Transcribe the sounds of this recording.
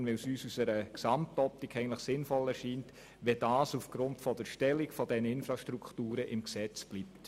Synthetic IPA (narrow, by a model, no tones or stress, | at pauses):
nʋɪlsyːsusəɾəksɑmtɔp̚tikʰːɛɪəntləχsɪnfɔlɛɾʃiːnt | ʋɛd̥ɑːsufɡ̥ɾʊntfɔdəɾʃtɛlikfɔdɛnəɪnfɾɑʃtɾukχtuːɾəʔɪmksɛt͡sb̥lip̚t